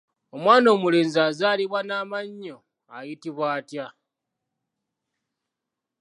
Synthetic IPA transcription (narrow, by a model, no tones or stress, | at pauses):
omwaːno̞ːmuleːnzaːzaːliβwanaːmaɲːo | ajitiβwaːtja